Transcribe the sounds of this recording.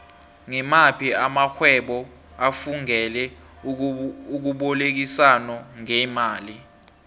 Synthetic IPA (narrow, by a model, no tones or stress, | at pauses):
ŋɛmapʰiamaxʰwɛɓɔ | afuŋɛlɛ | uk̬uɓɔlek̬isanɔŋɛmaːli